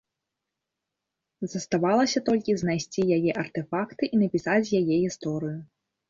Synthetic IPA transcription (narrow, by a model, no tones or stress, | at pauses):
zɐst̪avalˠɐsʲɐt̪ɔlʲkʲiznajsʲt͡sʲijajɛʔɐrt̪ɛfakt̪ɨʔinɐpʲisat͡sʲjajɛɣʲist̪ɔɾɨju